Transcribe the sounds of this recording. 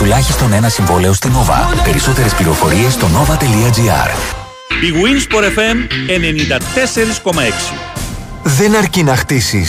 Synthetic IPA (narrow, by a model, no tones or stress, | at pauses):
t̪ulɐçist̪o̞ne̞nɐsiɱvo̞le̞o̞st̪ino̞vɐ̰pe̞ɾiso̞t̪e̞ɾe̞spliɾo̞fo̞ɾie̞st̪o̞no̞vɐt̪e̞liɐd͡ʒiɐ̰ɾ | piɣuinspoɾefemenenind̪ɐt̪ese̞ɾisko̞mɐeksi | ðe̞nɐɾcinɐxt̪isi